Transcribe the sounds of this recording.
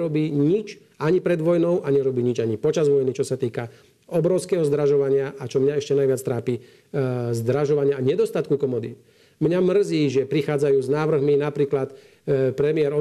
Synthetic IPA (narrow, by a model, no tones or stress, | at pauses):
ɾɔbiːɲit͡ʃ | aɲipɾɛd̪ʋɔjnɔʊʔaɲɛɾɔbiːɲid͡ʒaɲipɔt͡ʃazʋɔjnit͡ʃɔsat̪iːka | ɔbɾɔʊskɛɦɔzd̪ɾaʒɔʋaɲɪaʔat͡ʃɔmɲaɛʃcɛnajʋɪat͡st̪ɾaːpi | zd̪ɾaʒɔʋaɲɪaːɲɛd̪ɔst̪at̪̚kukɔmɔd̪ḭ | mɲamr̩ziːʒɛpɾixaːd͡zajuːznaːʋr̩ɦminapɾiːklat̪ | pɾɛmɪɛɾɔ